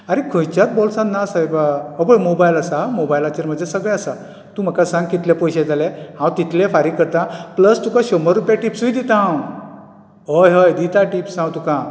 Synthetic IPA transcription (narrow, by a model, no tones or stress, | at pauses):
aɾekʰə̃jt͡ɕjat̪̚bɔlsãt̪nasajbaəbəjmobajlasamobajlat͡ɕeɾm̤əd͡zesəɡɭɛ̃asa | t̪ũm̤əkasãŋɡ̚kit̪lepɔjɕed͡zalẽhãwt̪it̪ʰlẽfaɾikəɾt̪ãpləst̪ukãɕɔməɾːupjaʈipsujd̪it̪ãw | ɦojɦəjd̪it̪aʈipsãwt̪ũkã